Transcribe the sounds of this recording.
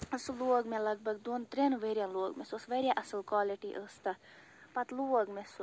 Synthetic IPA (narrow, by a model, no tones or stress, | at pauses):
ɐsɨloːɡmelɐɡ̚bɐɡd̪oːnt̪ɾenʋeɾʲjanloːɡmesosʋeɾʲjaʔɐsɨlkwaːliʈiʔəːst̪ɐ | pɐt̪luːɡmes